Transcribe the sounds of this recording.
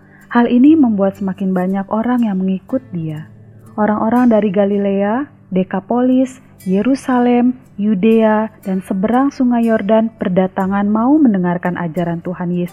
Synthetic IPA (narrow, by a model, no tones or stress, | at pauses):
haliniməmbuat̪̚səmakɪnbaɲakoɾaŋjaŋməŋikʊt̪̚dia | ʔoɾaŋʔoɾaŋdaɾiɡalilea | dekapolɪs | jeɾusalɛm | judead̥ansəbəɾaŋsuŋajɔrdanpərdat̪aŋanmauməndəŋarkanʔa̰d͡ʒaɾant̪uhanjes